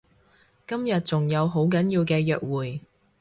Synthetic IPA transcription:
kɐ˥mjɐ˨t̚t͡sʊ˨ŋjɐ˨˧wɦo˨˥wk̬ɐ˨˥njiː˧wkɛː˧jœː˨k̚wuː˨˩j

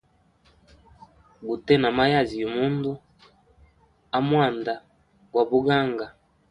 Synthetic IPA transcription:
ɡu˨tɛ˦na˨ma˦ja˦˨zi˨ju˨mu˦ndu˦ | a˦mwa˦˨nda˨ | ɡwa˨βu˦ɡa˦ŋɡa˨

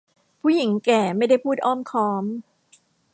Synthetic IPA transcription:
pʰuː˥˩ji˩˦ŋkɛː˨˩ma˥˩jda˥˩jpʰuː˥˩t̪̚ʔɔː˥˩mkʰɔː˦˥m

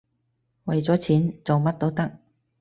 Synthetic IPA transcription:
wɐ˨jt͡sɔː˨˥t͡sʰiː˨˥nt͡so˨wmɐ˥t̚t̪o˥wt̪ɐ˥k̚

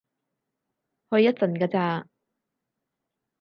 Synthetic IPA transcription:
hɵ˧jːɐ˥t̚sɐ˨˩nkaː˧t͡saː˧

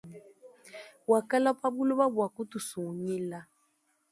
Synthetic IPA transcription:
wa˨ka˦la˦pʼa˦bu˦lɔ˦βa˦bu˨a˨ku˦tu˨so˨ɲiː˦la˦

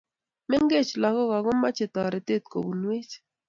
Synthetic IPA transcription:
mɛ˦ŋɡe˦˨t͡ʃlɔ˨kɔ˦ka˨ɡʊ˦ma˦t͡ʃɪ˨t̪ɔ˨ɾɛ˨te˦˨t̪̚ko̰˨bu˨nwe˦t͡ʃ

